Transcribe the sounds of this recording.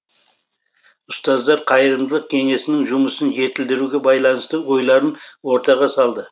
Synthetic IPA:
ʊst̪ɑzd̪ɑɾqʰɑjəɾəmd̪əlˠəq̚kʲʰe̞ŋe̞sɪnɪŋʒʊməsənʒe̞t̪ɪld̪ɪɾuɡʲe̞bɑjlˠɑnəst̪əwo̞jlˠɑɾənwo̞ɾt̪ɑʁɑsɑlˠd̪ə

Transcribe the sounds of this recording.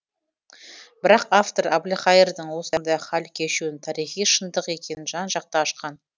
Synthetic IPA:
bɪɾɑqaft̪o̞ɾablʲiχɑjɪɾd̪əɴwo̞sənd̪ɑjχɑlkʲʰe̞ʃuɪnt̪ʰɑɾijχijʃənd̪əqe̞kʲʰe̞nɪnʒɑnʒɑq̚t̪ɑːʃqɑn

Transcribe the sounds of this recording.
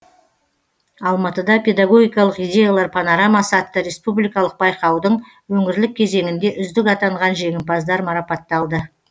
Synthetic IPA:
ɑlˠmɑt̪əd̪ɑpʰʲe̞d̪aɡo̞ɡʲijkɑlˠəqijdʲe̞jalˠɑɾpʰɑnoɾamɑsɑt̪ːəɾe̞spublijkɑlˠəq̚bɑjqɑwd̪əɴ | wɵŋɪɾlɪk̚ʲʰːe̞ze̞ŋɪnd̪e̞ʔʏzd̪ɪkɑt̪ɑɴʁɑnʒe̞ŋɪmpɑzd̪ɑɾmɑɾɑpɑt̪ːɑlˠd̪ə

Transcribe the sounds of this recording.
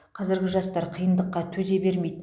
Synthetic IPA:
qʰɑzɪɾɡʲɪʒɑst̪ɑɾqʰijənd̪əqːɑt̪ʰɵze̞be̞ɾmejd̪

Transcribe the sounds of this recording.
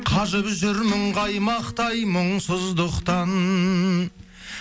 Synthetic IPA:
qʰɑʒəpʒʏɾməɴʁɑjmɑqt̪ɑjmʊɴsʊzd̪ʊqt̪ɑn

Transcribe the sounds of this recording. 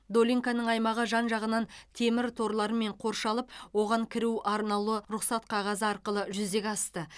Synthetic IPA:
d̪o̞lʲiŋkanəɴɑjmɑʁəʒɑnʒɑʁənɑnt̪ʰe̞mɪɾt̪ʰo̞ɾlˠɑɾəme̞ɴqʰo̞ɾʃɑlˠəpwo̞ʁɑŋkʲʰɪɾuʔɑɾnɑlˠəɾʊχsɑt̪qʰɑʁɑzəɑɾqəlˠəʒʏzd̪e̞kʲɑst̪ə

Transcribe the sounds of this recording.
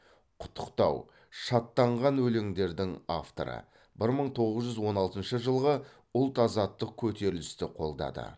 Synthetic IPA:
qʰʊ̥t̪ʰːə̥qt̪ɑ̰w | ʃɑt̪ːɑɴʁɑnwɵleŋd̪e̞ɾd̪ɪŋa̰ft̪o̰ɾə̰ | bɪɾməɴt̪ʰo̞ʁəzʒʏzwo̞nɑlˠt̪ənʃəʒəlˠʁə | ʊlˠt̪ɑzɑt̪ːəq̚kʲʰɵt̪e̞ɾɪlɪst̪ɪqʰo̞lˠd̪ɑ̰d̪ə̰

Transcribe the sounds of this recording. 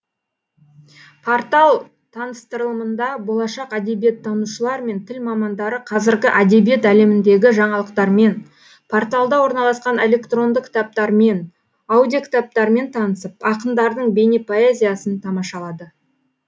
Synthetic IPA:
pʰort̪ɑlˠ | t̪ʰɑnəst̪əɾəlˠəmənd̪ɑbo̞lˠɑʃɑqæd̪e̞bije̞t̪ʰːɑnuʃəlˠɑɾme̞nt̪ʰɪlmɑmɑnd̪ɑɾəqʰɑzɪɾɡʲɪʔæd̪e̞bije̞t̪æle̞mɪnd̪e̞ɡʲɪʒɑɴɑlˠəqt̪ɑɾme̞n | pʰo̞ɾt̪alˠd̪ɑwo̞ɾnɑlˠɑsqɑne̞le̞kt̪ro̞nd̪əq̚kʰʲɪ̥t̪ap̚t̪ɑɾme̞n | awd̪ijokʲʰt̪ap̚t̪ɑɾme̞nt̪ʰɑnəsəpɑqənd̪ɑɾd̪əɴbe̞nepʰo̞e̞zʲijasənt̪ʰɑmɑʃɑlˠɑd̪ə

